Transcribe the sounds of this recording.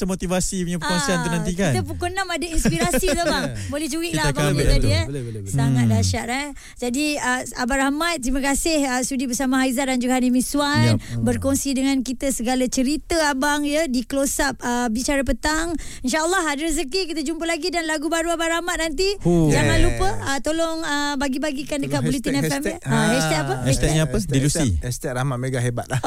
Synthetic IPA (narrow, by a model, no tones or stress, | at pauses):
təmot̪ivasiuɲapəkonsiant̪unãnt̪ikait̪əp̬ukonamadainspiɾasit̪əbaŋ | bolɛht͡ʃuɾiʔlabaaiə | saŋat̪̚daʃaʔɛ | d͡ʒadiəa̰baɾahmat̪̚ːɾimakasɪhəsudibəsamaɦaizaʔdand͡ʒuɡaanimisuanbərkɔŋsidəŋankit̪əsəɡalat͡ʃəɾit̪əabaŋjədiklosap̚əbit͡ʃaɾəp̬ət̪aŋinʃaəlˠːɔɦadəəzəkikit̪əd͡ʒumpəlaɡidanlaɡubaɾuabaʔɾahmat̪̚nant̪̬id͡ʒaŋanlupəət̪olɔŋəbaɡibaɡikandəkat̪̚bolit̪inɛfɛmɛst̪ɛt̪apəɛt̪ɛɲaədilusḭɛst̪ɛʔɾamaʔ̪̚meɡaɦebat̪̚la